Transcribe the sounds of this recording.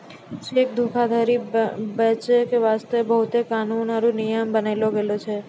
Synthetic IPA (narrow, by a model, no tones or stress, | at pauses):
ʃek̚d̪ʱukʰad̪ʱaɾibət͡ʃkeʋast̪əebəɦut̪ekanunaɾũnijəmbənajloɡəlot͡ʃʰe